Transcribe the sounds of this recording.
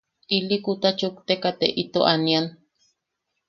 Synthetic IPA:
ilikut̪at͡ʃukt̪ekat̪eʔit̪oʔanian

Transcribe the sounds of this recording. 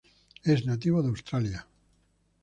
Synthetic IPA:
eznat̪̬iβoðawst̪ɾalja

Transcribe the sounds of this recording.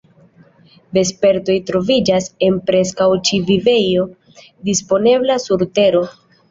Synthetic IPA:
be̞spe̞ɾto̞jtɾo̞vid͡ʒase̞npɾe̞skawt͡ʃivive̞jo̞ | dispo̞ne̞blasuɾte̞ɾo̞

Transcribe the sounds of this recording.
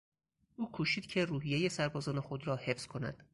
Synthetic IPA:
ʔuːkʰuːʃiːd̪̥cʰe̞ruːɦijejesæɾbɒːzɒːnexo̞d̪ɾɒːhe̞fz̥kʰo̞næ̰d̪̥

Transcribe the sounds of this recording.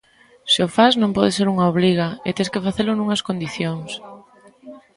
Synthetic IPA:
sɪofaznõmpɔðeseɾuŋaoβ̞liɣaet̪eskefaθelʊnũŋɐskond̪iθjoŋs

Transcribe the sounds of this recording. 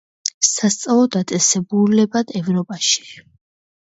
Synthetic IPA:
sast̪sʼalˠɔd̪at̪sʼɛsɛbulɛbad̪̥ɛvɾɔpʼaʃi̥

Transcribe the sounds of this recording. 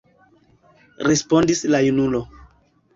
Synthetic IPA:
ɾespo̞ndislajunulo̞

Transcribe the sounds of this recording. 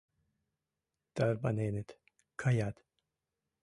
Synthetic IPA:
d̪̥aɾbanenet̪ | kʰajad̪

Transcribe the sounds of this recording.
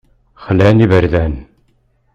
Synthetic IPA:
χəlænivəɾðæn

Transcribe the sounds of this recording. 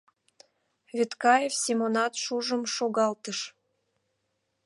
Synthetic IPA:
vit̪kɑjefsʲimonɑt̪ʃuʒəmʃoɣɑlt̪əʃ

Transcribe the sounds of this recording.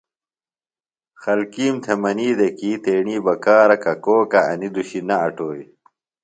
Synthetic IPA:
xɐlkiːmt̪ʰemɐniːd̪ekiːt̪eːɳiːbɐkaːɾɐkɐkoːkɐɐ̰nid̪uɕinɐɐʈoːi

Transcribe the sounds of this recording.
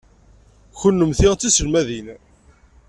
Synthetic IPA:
çənːəmθiʁt͡sːisəlmæðin

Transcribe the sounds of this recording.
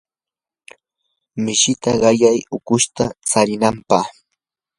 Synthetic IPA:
mɪʃɪt̪aɢɑjajʊkʊʃt̪at͡saɾɪnampɑχ

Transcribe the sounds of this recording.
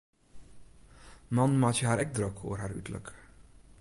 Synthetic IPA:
mɑnmaːtjəɦaːɾɛɡ̚drɾøkʰo̰ːərɦaːɾytələ̰k

